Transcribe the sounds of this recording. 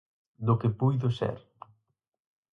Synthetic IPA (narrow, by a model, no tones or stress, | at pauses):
d̪ʊkɪpujðʊsɛ̰ɾ